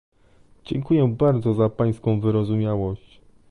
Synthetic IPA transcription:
d͡ʑɛŋkujɛbaɾd̪zɔzapaj̃skɔ̃w̃vɘɾɔzumʲjawɔɕt͡ɕ

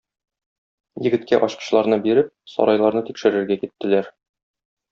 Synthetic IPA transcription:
jɘ̆ɡɘ̆t̪kæʔɒɕqɤ̥̆ɕlˠɑɾnɤbiɾɘp̚sɒ̰ɾɑjlˠɑɾnɤt̪ikʃɘ̆ɾɘ̆ɾɡækit̪ːɘ̆læɾ

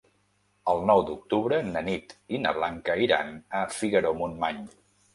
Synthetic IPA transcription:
əlˠnɔwd̪uk̚t̪uβɾənənit̪inə̰βlaŋkəiɾa̰nəfiɣəɾomunmaɲ

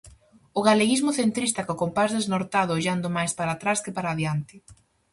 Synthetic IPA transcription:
ʊɣaleɣizmʊθent̪ɾist̪akokompazðeznoɾt̪aðʊoʎand̪ʊmajspaɾat̪ɾaskɪpaɾaðjant̪ɪ

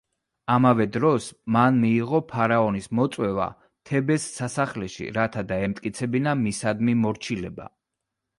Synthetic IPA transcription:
amavɛd̪ɾɔsmanmiːʁɔpʰaɾaɔnismɔt̪sʼwɛva̰ | t̪ʰɛbɛsːasaχlɛʃḭɾat̪ʰad̪aɛmt̪ʼkʼit̪sʰɛbinamisad̪mimɔɾt͡ʃʰilɛba̰

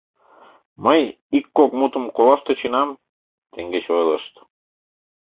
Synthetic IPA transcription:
məj | ikːokmut̪ə̆mkolɑʃt̪et͡ɕinɑm | t̪eŋɡet͡ɕojlə̰ʃt̪

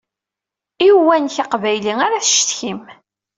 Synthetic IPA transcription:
iwænçaqvæjliŋaɾaθʃt̪çim

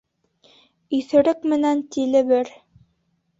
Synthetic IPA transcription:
iθɘ̆ɾɘkmɘ̆nænt̪ilɘ̆βɘɾ

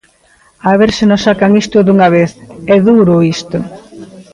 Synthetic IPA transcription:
aβeɾsɪnosakaŋist̪ʊd̪uŋaβ̞eθɛðuɾʊist̪ʊ

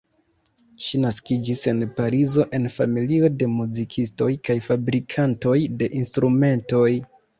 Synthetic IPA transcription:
ʃinaskid͡ʒise̞npaɾizo̞ʔe̞nfamilio̞de̞muzikʰisto̞jkajfabɾikʰanto̞jde̞ʔinstɾume̞nto̞j

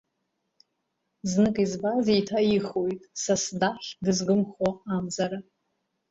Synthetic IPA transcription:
znɨkʼizbazeitʰaiχojtʼsasdaħdɨzɡɨmχaamd͡zaɾa

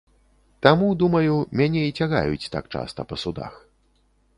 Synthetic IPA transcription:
t̪amud̪umɐjumʲanʲɛit͡sʲaɣa̰jṵt͡sʲt̪a̰kt͡ʂa̰st̪ɐpɐsud̪a̰x

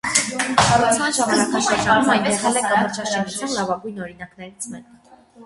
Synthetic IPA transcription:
kʰɑɾɑt͡sʰmɑnʒɑmɑnɑkʰɑʃɑtɑnumɑjt̪jɛʁɛlɛkɑmɔɾt͡ʃʰɑʃɛnut͡sʰjɑnlɑvɑɡujnɔɾin̪ɑknɛɾit͡sʰmɛk

